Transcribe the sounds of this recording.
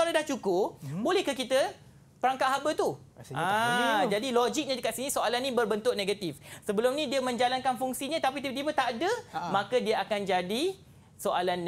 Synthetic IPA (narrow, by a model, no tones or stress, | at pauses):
alawdaht͡ʃukʊbolɛhkəkit̪ə | pəɾaŋkaʔɦabət̪u | ad͡ʒadilod͡ʒik̚ɲãdəkat̪sinĩsoalanːĩbərbənt̪ʊʔ̚nẽɡat̪ifsəbəlʊmnĩdiəmə̃ɲd͡ʒalankanfuŋsiɲãt̪apit̪it̪ibət̪aʔdəmãkədiəakand͡ʒadi | soʔalan